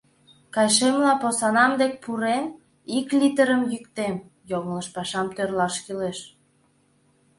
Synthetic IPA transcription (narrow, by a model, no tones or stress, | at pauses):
kɑjʃemlɑposɑnɑmd̪ek̚ʲpuɾen | iklit̪əɾəmjykt̪em | joŋələʃpɑʃɑmt̪ørlɑʃkileʃ